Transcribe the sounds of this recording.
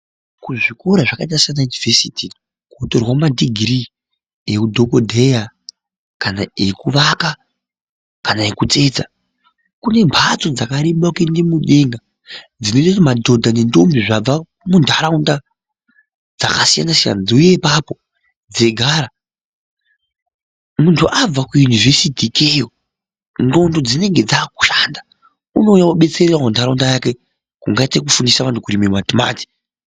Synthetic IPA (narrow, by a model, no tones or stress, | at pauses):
kuʐikoɾaʐakait̬asianajunivesiti | kotorwamadiɡʱri | ekudʱo̞kodʱeja | kanaekuʋaka | kanaekut͡se̞d͡za | kune̞mpʰat͡so̞d͡zakaɾiɓakendimuɗeŋɡa | d͡zinototimadʱo̞dʱanentombiʐab͡va | mundʱaɾaunda | d͡za̰kasija̰nasija̰nad͡ziuje̞papo̞ | d͡ze̞ɡʱaːɾa | muntʰuʔab͡vakujuniʐe̞sitikejo | ndo̞ntʰud͡zine̞ŋɡe̞d͡zaːku̥ʃanda | uno̞jauɓe̞t͡sererwamundʱaɾaundajake | kuŋɡaitekufundisaʋantʰukurimematima̰ːti̥